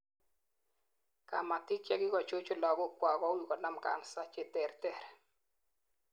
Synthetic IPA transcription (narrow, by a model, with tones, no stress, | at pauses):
ka̰˨ma˨tɪ˦t͡ʃɛ˦kɪ˦kɔ˨t͡ʃo˦t͡ʃo˦lɔ˨ɡʊ˦kwa˨ɡɔ˦wi˨kɔ˨na˦mka̰˨nsa˦t͡ʃɛ˨tɛ˨ɾtɛ˦˨ɾ